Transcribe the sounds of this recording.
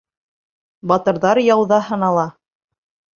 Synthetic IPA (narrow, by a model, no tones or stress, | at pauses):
bɑt̪ɤ̆ɾðɑɾjɑwðɑhɤ̆nɑlˠɑ